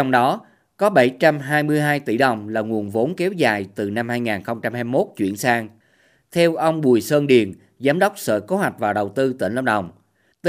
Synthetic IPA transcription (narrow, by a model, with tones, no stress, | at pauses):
ɔ˧wŋ͡mɗɔ˨˦ | kɔ˨˦ɓə˧˩jt͡ɕa˧mɦaː˧jmɨ˧əjɦaː˧jt̪i˧˩ɗə˨˩wŋ͡mlaː˨˩ŋu˨˩ənvo˨˦nkɛ˨˦wzaː˨˩jt̪ɨ˨˩na˧mhaː˧jŋaː˨˩nxə˧wŋ͡mt͡ɕa˧mhaː˧jmo˦˥t̚t͡ɕwḭ˧˩˨ənsaː˧ŋ | t̪ʰɛ˧wʔə˧wŋ͡mɓu˨˩əjsəː˧nɗi˨˩ən | zaː˨˦mɗə˦˥wk͡p̚sə̰ː˧˩ko˨˦ɦwa˨˩jk̟̚vaː˨˩ɗə˨˩wt̪ɨ˧t̪ḭ˧˩nlə˧ŋ͡mɗə˨˩wŋ͡m | t̪